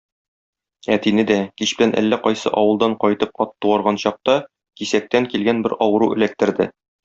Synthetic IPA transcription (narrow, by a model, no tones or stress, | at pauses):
æt̪inɘd̪ækiɕbɘ̆lænʔæ̰lːæqɒjsɤ̰ʔɒwɤ̆lˠd̪ɑɴqɒjt̪ɤp̚ɒt̪ːuwɑɾʁɑnɕɒq̚t̪ɑ | kisæk̚t̪æŋkilɡænbɘɾɒwɤ̆ɾuʔɘ̰̆læk̚t̪ɘ̆ɾd̪ɘ